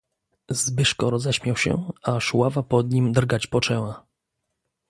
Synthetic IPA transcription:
zbɘʂkɔɾɔzɛɕmʲjawɕɛ̰aʂwavapɔd̪ɲimd̪ɾɡat͡ɕpɔt͡ʂɛwa

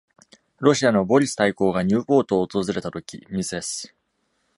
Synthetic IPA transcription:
ɾo̞ɕiano̞bo̞ɾʲisɨ̥t̪aiko̞ːɡaɲ̟ɨːpo̞ːt̪o̞ːt̪o̞zɨɾe̞t̪at̪o̞kʲḭmʲisɨesɨ̥

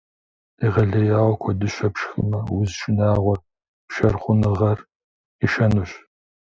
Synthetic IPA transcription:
iʁɐɮɐjaːwɔkʷʰɔdɨɕʷɐpʂxɨ̰mɐwʊzʃʼɪnaːʁʷɔr | ʃɐrχʷʊnɨʁɐr | iʃɐnuɕ

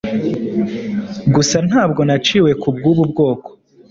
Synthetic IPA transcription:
ɡusan̥haːbɡo̞nat͡ʃiːwe̞kub̚ɡuːβubɡo̞ːko

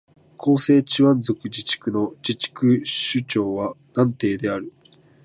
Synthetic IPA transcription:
kʰo̞ːse̞ːt͡ɕiβãnzo̞kɯ̟d͡ʑit͡ɕi̥kɯ̟no̞d͡ʑit͡ɕi̥kɯ̟ɕɨt͡ɕo̞ːβanãnt̪e̞ːd̪e̞aɾɯ̟

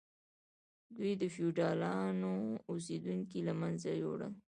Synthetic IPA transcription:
d̪wujd̪əfiuʈɑlɑnous̬ed̪uŋkilamanzajo̰ɽə̰

